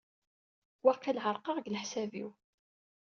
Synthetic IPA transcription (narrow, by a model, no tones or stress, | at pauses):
wɑqːilɦəɾˤqɑʁɡləħsævḭw